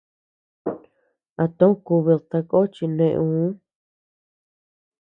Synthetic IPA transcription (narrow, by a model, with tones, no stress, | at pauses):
a˧t̪õ˦ku˧βi˧lt̪a˧ko˦t͡ʃi˧nẽ˧ʔũ˧˦